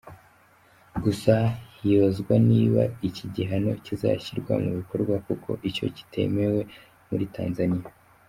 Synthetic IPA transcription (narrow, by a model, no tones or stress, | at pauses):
ɡusahiβazɡwaniːβa̰iciɟiɦano̞̰ciza̰çiɾɡwa̰muβiko̞ɾɡwakukʰo̞̰ʔico̞̰ci̥tʰe̞̰me̞we̞ | muɾitaːnzanija